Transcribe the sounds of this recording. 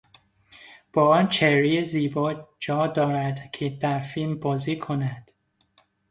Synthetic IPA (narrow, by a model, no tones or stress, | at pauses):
b̥ɒːɒːnt͡ʃʰeɾijeziːbɒːd͡ʒɒːd̪ɒːɾæd̪cʰed̪æɾfilmbɒːziːkʰonæd̪̥